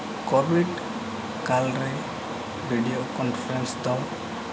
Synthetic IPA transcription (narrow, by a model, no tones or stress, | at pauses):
kobiɖ | kalɾi | bʱiɖiokɔnfɾensd̪ɔl